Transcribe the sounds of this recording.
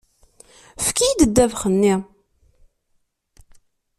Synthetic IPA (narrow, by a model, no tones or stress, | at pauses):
fkijd̪əd̪ːævχənːi